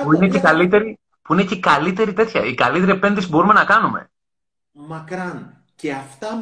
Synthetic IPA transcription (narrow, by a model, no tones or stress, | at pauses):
puinecekɐlit̪e̞ɾi | puine̞cekɐlit̪e̞ɾit̪e̞t̪çɐ̰ikɐlit̪eɾiepe̞nd̪isibo̞ɾume̞nɐkɐnume̞̰ | mɐkɾɐn | ceɐft̪ɐ